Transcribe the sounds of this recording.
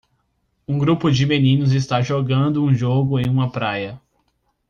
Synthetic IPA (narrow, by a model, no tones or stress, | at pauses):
ũɡɾupʊd͡ʒɪmenĩnʊzɪs̬t̪aʒoɡɐ̃nd̪ʊũʒoɡʊẽj̃ũmɐpɾajɐ